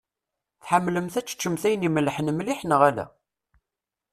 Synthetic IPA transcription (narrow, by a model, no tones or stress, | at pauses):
θħamːləmθæt͡sːt͡ʃːəmθæjniməlːħənmliħnəʁælæ̰